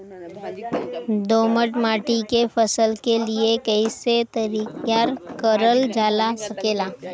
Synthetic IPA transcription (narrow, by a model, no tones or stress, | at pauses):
d̪oːməʈmaːʈikefʰəsəlkeliekəiset̪əɾiːkjaɾkəɾəld͡ʒaːlasɐkeːlaː